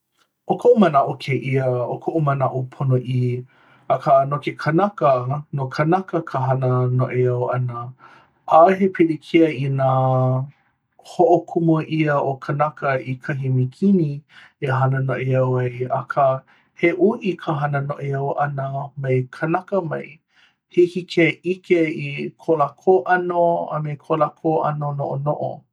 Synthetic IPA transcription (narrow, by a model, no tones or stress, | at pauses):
ʔokʰoʔumɐnɐʔokʰeʔiɐokʰoʔumɐnaʔopʰonoʔi | ɐkanokekʰɐnɐkənokʰɐnɐkəkʰəɦɐnənoʔeɐwɐnɐ | ʔaɦepʰiɾikʰiɐina | hoʔokʰumoʔiɐʔokʰɐnɐkɐikʰɐɦimikʰinieɦɐnənoʔeɐwɐjɐkʰə | heʔuʔikʰəɦɐnənoʔeɐwʔɐnəmejkʰɐnɐkəmɐ̰j | hikikʰeʔikeikʰolakʰoʔɐnoɐ̰mekʰolakʰoʔɐ̰nonoʔonoʔo̰